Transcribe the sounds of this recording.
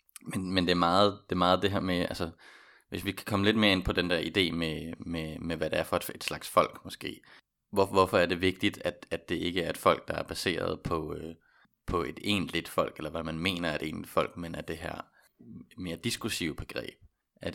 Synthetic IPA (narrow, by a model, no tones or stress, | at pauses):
menmend̥e̝æɐmɑ̈ːð̞̩ˠd̥e̝mɑ̈ːð̞̩ˠd̥e̝ɦɛɐmeʔælsə | ʋe̝sʋikʰæ̥kʰɒ̽məle̝d̥me̝ːɐe̝npʰɒ̽d̥end̥æɐ̰id̥e̝̰ːmememeʋæɾ̥eæɐfɒ̽d̥e̝d̥slɑ̈ɡ̥sfɒ̽l̰ɡ̥mɒ̽sɡ̥e̝̰ː | ʋɒʋɒfɒ̽æɐde̝ʋe̝ɡ̥̚d̥id̥æd̥ædd̥e̝ʔe̝ɡ̥əæɐe̝d̥fɒ̽l̰ɡ̥̚d̥ɑ̈æɐb̥æse̝̰ːɐ̰ð̞ˠpʰɒ̽ | pʰɒ̽e̝d̥e̝̰ːnlid̥fɒ̽l̰ɡ̥elɐʋæmænme̝̰ːnɐæɐe̝ɾ̥e̝̰ːnlid̥fɒ̽l̰ɡ̥menæɐd̥e̝ɦæɐ̰ | e̥me̝ːɐd̥isɡ̥ʁusiʊb̥e̝ɡ̥ʁɛ̰ːb̥̚ | æ